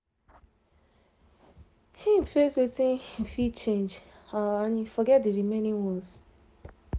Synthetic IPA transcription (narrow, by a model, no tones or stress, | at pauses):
hĩmfeswetĩnfit͡ʃẽnd͡ʒaanifɔɡɛt̚diɾimenĩŋwɔ̃s